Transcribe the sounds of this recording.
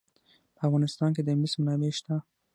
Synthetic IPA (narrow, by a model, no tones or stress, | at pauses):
pəafɣɑnɪst̪ɑnk̬ed̪əmɪsmnɑbeʃt̪a